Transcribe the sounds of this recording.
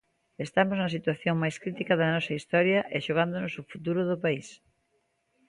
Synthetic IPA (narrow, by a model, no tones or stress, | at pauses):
est̪amoznɐsit̪waθjoŋmajskɾit̪ikɐðɐnɔsɐist̪ɔɾjɐʔɪʃoɣ̞and̪onʊsʊfut̪uɾʊðʊpais